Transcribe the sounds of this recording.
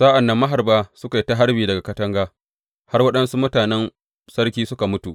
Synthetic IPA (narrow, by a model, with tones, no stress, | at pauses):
saː˦ʔa˨nːɐ˦mːɐ˦ɦa˨rbaː˦sʊ˦ka˨i˦ta˦ɦa˦ɽbiː˨dɐ˨ɡa˨kɐ˦tɐ˦ŋɡaː˦ | ha˦rwɐ˦ɗɐ˦nsu˦mʊ˦taː˨nɛ˦n | sɐ˦rkʲiː˦sʊ˦ka˨mʊ˦tu˨ʔ